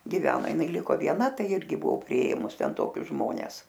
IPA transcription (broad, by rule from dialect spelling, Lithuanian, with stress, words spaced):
ɡʲɪˈʋʲæːnoː jɪˈnɐɪ ˈlʲɪkoː ʋʲiɛˈnɐ ˈtɐɪ ˈɪrʲɡʲɪ bʊˈoː pʲrʲɪˈeːmʊs ˈtʲɛn ˈtoːkʲʊs ˈʒmoːnʲɛs